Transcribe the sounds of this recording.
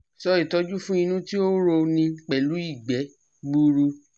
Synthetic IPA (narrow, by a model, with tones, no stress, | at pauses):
sɔ˦i˨tɔ˨˧d͡ʒu˦fũ˦i˧nũ˦ti˦o˦ɾo˧nĩ˧k͡pɛ˨lu˨˦i˦˨ɡ͡bɛ˨˦ | ɡ͡bu˧ɾu˧